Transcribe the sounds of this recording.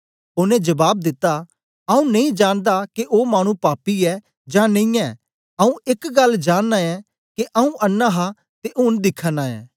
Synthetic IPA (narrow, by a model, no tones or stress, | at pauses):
ʊnẽd͡ʒɐbaːb̚d̪ɪt̪ːa | ɐũnɐ̃ĩd͡ʒaːnd̪akeʔoːmaːɽ̃ũpaːpiɛ | d͡ʒãːnɐ̃ĩɛː | ɐũɪkɡɐld͡ʒaːnːaɛː | keʔɐũʔɐnːaɦa | t̪eʔʊnd̪ɪkʰːanaːɛ̰ː